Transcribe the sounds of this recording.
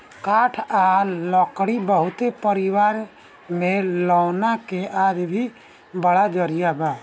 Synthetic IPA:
kaːʈʰalɔkɽibəɦʊt̪epəɾiwaɾ | mẽlɔːnakeʔaːd͡ʒ̪bʱi | bəɽad͡ʒɔɾijabaː

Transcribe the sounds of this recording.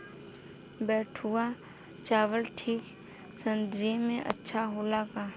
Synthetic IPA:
bɛːʈʰua | t͡ʃaːʋəlʈʰiːk | sə̃nd̪ɾiemẽʔə̰tːʃʰaɦoːlaːkaː

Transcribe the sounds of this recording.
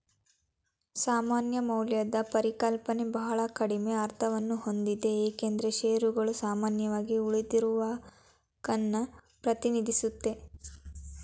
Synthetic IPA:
saːmaːnjɐmɐwljɐd̪ɐpɐɾikɐlpɐne̞bɐɦɐɭɐkɐɽimeɐɾt̪ʰɐʋɐnːuho̞nd̪id̪e̞eːke̞nd̪ɾeʃeːɾuɡɐɭusaːmaːnjɐʋaːɡiuɭid̪iɾuʋaː | ɡɐnːɐ | pɾɐt̪inid̪ʱisut̪ːe̞

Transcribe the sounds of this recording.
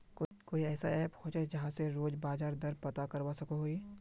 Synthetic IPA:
kkoːiɛːsaɛːphoːt͡ʃad͡ʒɐɦãseɾoːd͡ʒbaːd͡ʒaːɾd̪ɐɾpɐt̪akɐɾʋaːsɐkoɦoːiː

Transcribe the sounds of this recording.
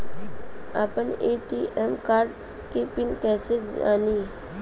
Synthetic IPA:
a̰pəneːʈiʔɛmkaːɾɖ | kepɪnkɛːsed͡ʒa̰ːni

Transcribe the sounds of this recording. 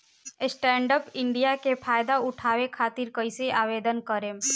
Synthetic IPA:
sʈɛ̃ːɳɖəpɪ̃ɳɖijakepʰaːjd̪aʊʈʰaːʋekʰaːt̪iɾkəiseʔaːʋeːd̪ənkəɾẽː

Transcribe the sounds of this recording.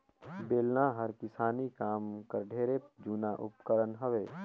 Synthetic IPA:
beːlnaɦəɾkɪsaːnikaːmkəɾɖʱeːɾed͡ʒuːnaʔʊ̰pkəɾənɦɐʋeː

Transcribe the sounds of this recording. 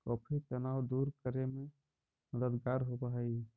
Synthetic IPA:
kɔːpʰit̪ənawd̪uɾkəɾeme | məd̪əd̪ɡaɾɦobəɦɛ

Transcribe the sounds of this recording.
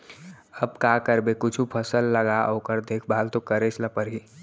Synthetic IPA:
əb̚kakəɾbekʊt͡ʃʰupʰəsəlːəɡaoːkəɾd̪eːkʰbaːlt̪okəɾet͡ʃʰləpəɾɦi

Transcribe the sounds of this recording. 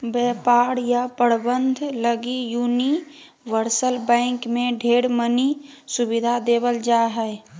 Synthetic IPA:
bɛːpaːɽjapəɽbənd̪ʱləɡijuːni | ʋəɾsəlbɛ̃ɪŋkmẽɖʱeːɽmənisʊbɪd̪ʱad̪eːbəld͡ʒaːɦɛɛ

